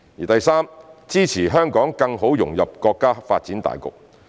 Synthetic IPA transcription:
jiː˨˩t̪ɐ˨jsaː˥mt͡siː˥t͡sʰiː˨˩ɦœː˥ŋkɔː˨˥ŋkɐ˧ŋɦo˨˥wjʊ˨˩ŋjɐ˨p̚kɔː˧kːaː˥faː˧t̚t͡siː˨˥nt̪a̰ː˨jkʊ̰˨k̚

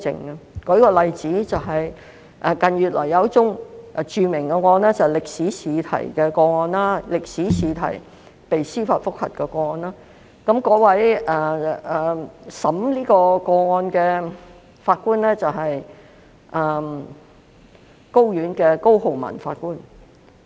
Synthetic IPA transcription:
t͡sɪ̰˨ŋɐ˧kɔ˨˧˥kɔː˧lɐ˨jt͡siː˨˥t͡sɐ˨wɦɐ˨j | ʔɛ˨˧kɐ˨njɥyː˨˩t̚lɔ̰ː˨˩jɐ˨˧˥wt͡sʊ˥ŋʔt͡ʃyː˨mɪ˨˩ŋkɛ˧kɔː˧nɛː˥t͡sɐ˨lɪ˨k̚siː˨˥siː˨˧˥t̪ʰɐ̰˨˩jkɛː˧kɔː˧ŋɔː˧nlaː˥lɪ˨k̚siː˨˥siː˨˧t̪ʰɐ̰˨˩j | pe˨jsiː˥faː˧tfʊ˥k̚hɐ̰˨t̚kɛː˧kɔː˧ŋɔː˧nlaː˥ | kɐ˨˧˥mkɔː˨˥wɐ˨˥jʔɛː˨ | sɐ˨˥mliː˥kɔː˧kɔː˧ŋɔː˧nkɛː˧ | faː˧t̚kuː˥nlɛː˥t͡sɐ˨wɦɐ˨j | ʔɛː˨˩ | ko˥wjyː˨˥nkɛː˧ko˥who˨˩wmɐ̰˨˩nfaː˧t̚kuː˥n

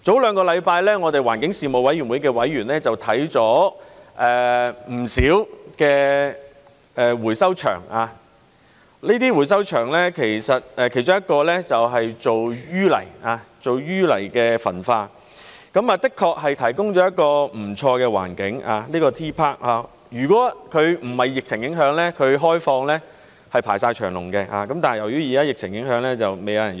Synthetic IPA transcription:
t͡so˨˥wlœː˨˧ŋkɔː˧lɐ˨˧jpaː˧jlɛː˥ŋɔː˨˧t̪e˨jwaː˨˩nkɪ˨˥ŋsiː˨mo˨wɐ˨˥jɥy˨˩nwu˨˧jkɛː˧wɐ˨˥jɥyː˨˩nlɛː˥t͡sɐ˨wt̪ʰɐ˨˥jt͡sɔː˨˥ʔɛː˨˩m̩˨˩siː˨˥wkɛː˧ | ɛː˨wuː˨˩jsɐ˥wt͡ʃʰœ̰ː˨˩ŋaː˨˧ | liː˥t̪iː˥wuː˨˩js̬ɐ˥wt͡ʃʰœː˨˩ŋlɛː˥kʰe˨˩jsɐ˨t̚ɛ˨˧kʰjt͡ʃʊ˥ŋjɐ˥t̚kɔː˧lɛ˥t͡sɐ˨wɦɐ˨jt͡so˨wjyː˥lɐ̰˨˩jaː˧t͡so˨wjyː˥lɐ˨˩jkɛː˧fɐ˨˩nfaː˧ | kɐ˨˥maː˨˧t̪ɪ˥kʰːɔː˧k̚ɦɐ˨jt̪ʰɐ˨˩jkʊ˥ŋt͡ʃɔː˨˥jɐ˥t̚kɔː˧m̩˨˩t͡ʃʰɔː˧kɛː˧wa̰ː˨˩nkɪ˨˥ŋa̰ː˧liː˥kɔː˧t̪ʰiː˥pʰaː˥k̚aː˨˧ | jyː˨˩kɔː˨˥kʰɵ˨˧ɥm̩˨˩hɐ˨jːɪ˨k̚t͡sʰɪ˨˩ŋjɪ˨˥ŋɦœː˨˥ŋlɛː˥kʰɵ˨˧ɥɦɔː˥jfɔː˧ŋlɛː˥ | hɐ˨jpʰaː˨˩jsaː˧jt͡ʃʰœː˨˩ŋlʊ̰˨˩ŋkɛː˧a̰ː˧kɐ˨˥mt̪aː˨n˨jɐ˨˩wjyː˨˥jiː˨kaː˦˥jɪ˨k̚t͡sʰɪ˨˩ŋjɪ˨˥ŋɦœː˨˥ŋlɛː˥t͡sɐ˨wme˨˧jɐ˧wjɐ˨˩

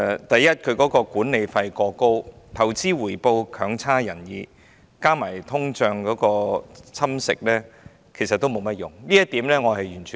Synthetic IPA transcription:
t̪ɐ˨jjɐ˥t̚kʰɵ˨˧ɥkɔː˨˥kɔː˧kuː˨˥nne˨˧jfɐ˧jkɔː˧ko˥wt̪ʰɐ˨˩wt͡siː˥wuː˨˩jpo˧wkʰœː˨˥ŋt͡sʰaː˥jɐ˨˩njiː˨˧ | kaː˥maː˨˩jt̪ʰʊ˥ŋt͡ʃœː˧ŋkɔː˨˥kɔː˧t͡sʰɐ˥msɪ̰˨k̚lɛː˥ | kʰe˨˩jsɐ˨t̪ːo˥wmo˨˧wmɐ˥t̚jʊ˨˩ŋliː˥jɐ˥t̪iː˨˥mlɛː˥ŋɔː˨˧hɦɐ˨jɥyː˨˩nt͡ʃʰy˨

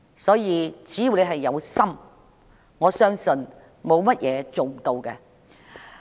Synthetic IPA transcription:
sɔː˨˥jiː˨˧t͡siː˨˥ji˨˩wne˨˧jɦɐ˨jːɐ˨˧wsɐ˥m | ŋɔː˨˧sœː˥ŋsɵ˨n | mo˨˧wmɐ˥t̚jɛː˨˧t͡so˨w̩˨t̪o˧wkɛ˧

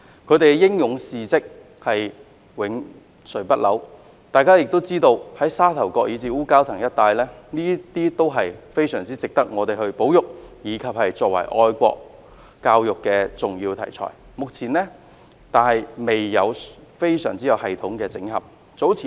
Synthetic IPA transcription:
kʰɵ˨˧ɥt̪e˨jɛ˧˥jɪ˥ŋjʊ˨˧ŋsiː˨˩t͡sɪ˥k̚ | hɐ˨j | wɪ˨˧˥ŋ | sɵ˨˩pɐ˥t̚lɐ̰˨˥w | t̪aː˨jkaː˥jɪ˨k̚t̪o˥wt͡siː˥t̪o˧whɐ˨˥jsaː˥t̪ʰɐ˨˩wkʷɔː˧k̚jiː˨˧t͡siː˨˧uː˥kaː˥wt̪ʰɐ˨˩ŋjɐ˥t̚t̪aː˧jlɛː˥niː˥t̪iː˥t̪o˥wɦɐ˨jfe˥jsœ̰ː˨˩ŋt͡siː˥t͡sɪ˨k̚t̪ɐ˥k̚ŋɔː˨˧t̪e˨jhɵ˧ɥpo˨˥wjʊ˨k̚jiː˨˧kʰɐ˨p̚hɐ˨jt͡sɔː˧k̚wɐ̰˨˩jʔɔː˧jkʷɔ̰ː˧k̚ | kaː˧wjʊ˨kːɛː˧t͡sʊ˨ŋjiː˧wt̪ʰɐ̰˨˩jt͡sʰɔ̰ː˨˩j | mʊ˨k̚t͡sʰiː˨˩nlɛː˥ | t̪aː˨nhɐ˨jme˨jːɐ˨˧wfe˥jsœ̰ː˨˩ŋt͡siː˥jɐ˨˧whɐ˨jt̪ʰʊ˨˥ŋkɛː˧t͡sɪ̰˨˧˥ŋhɐ̰˨˩p̚ | t͡so˨˥wt͡sʰiː˨

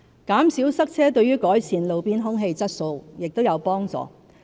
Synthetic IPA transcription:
kaː˨˥msiː˨˥wsɐ˥k̚t͡sʰɛː˥t̪ɵ˧ɥyː˥kɔː˨˥jsʰiː˨˧nlo˨˧wpiː˥nɦʊ˥ŋɦe˧jt͡sɐ˥t̚so˧wjɪ˨k̚t̪o˥wjɐ˨˧wpɔː˥ŋt͡sɔ̰ː˨

